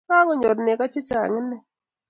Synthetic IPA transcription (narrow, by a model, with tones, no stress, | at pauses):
ka˦ŋɔ˨ɲɔ˨ɾne˨ka˦t͡ʃɪ˦t͡ʃa̰˨ŋɪ˦nːɛ˦˨